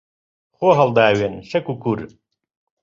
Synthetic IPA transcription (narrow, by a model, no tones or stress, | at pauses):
xoːɦɐld̪aːwenʃɐkukuɾ